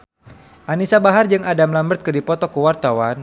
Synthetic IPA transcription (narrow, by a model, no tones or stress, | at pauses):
ʔanisabaɦard͡ʒɨŋadamlambərt̪̚kədipɔt̪ɔkəwart̪awan